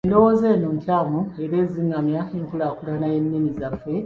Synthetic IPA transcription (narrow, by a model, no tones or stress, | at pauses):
endo̞wo̞ːze̞ːnoːntaːmue̞ɾe̞ːziŋamjaenikulakulanajenːinizafe̞